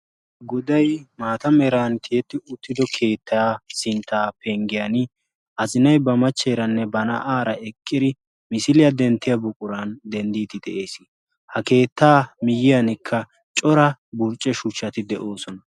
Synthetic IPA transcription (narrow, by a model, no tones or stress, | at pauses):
ɡɔd̪ɐjmaːt̪ɐmɛɾaːnt̪ɪjɛt̪ːɪʊt̪ːɪd̪ɔkʰe̞ːt̪ʰːaːsɪnt̪ːaːpɛŋɡɪjanɪ | ʔɐzɪnɐjbɐmɐt͡ʃːɛɾɐnːɛbɐnɐ̰ʔaːɾɐɛkʼːɪd̪ɪ | mɪsɪlɪjɐd̪ɛnt̪ːɪjɐbʊkʼʊɾand̪ɛnd̪iːt̪ɪd̪ɛʔe̞ːsɪ | hɐke̞ːt̪ːaːmɪjɪjɐnɪkʰːɐ | t͡ʃʼɔɾɐbʊɾt͡ʃʼːɛʃʊt͡ʃːɐt̪ɪd̪ɛʔo̞ːsɔnɐ